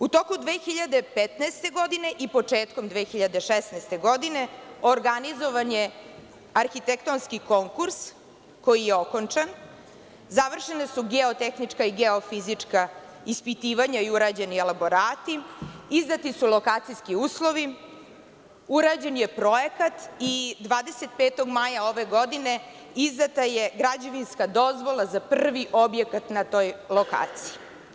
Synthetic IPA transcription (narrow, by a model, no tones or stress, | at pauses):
ut̪okud̪ʋeːxiʎad̪epet̪naest̪e̞ɡo̞d̪ine̞ʔipot͡ʂeːt̪ko̞md̪ʋeːxiʎad̪e̞ʃesnast̪e̞ɡo̞d̪ine̞oɾɡanizo̞ʋane̞ | aɾxit̪ekt̪onskiko̞ŋkuɾs | ko̞jijeoko̞nt͡ʂan | zaʋr̩ʃenesuɡeot̪exnit͡ʂkaiɡeo̞fizit͡ʂka | ispit̪iːʋaɲaiuɾad͡ʑe̞nielabo̞ɾaːt̪iizd̪at̪isulˠo̞kaːt̪sijskiuːslˠo̞ʋi | uɾad͡ʑe̞nje̞pɾo̞ekat̪id̪ʋaːd̪e̞se̞t̪̚pet̪o̞ɡmajaoʋe̞ɡo̞d̪ine̞ | izd̪at̪ajeɡɾad͡ʑoʋinskad̪o̞zʋo̞lˠazapr̩ʋiʔobje̞kat̪nat̪o̞jlˠo̞ka̰ːt̪sii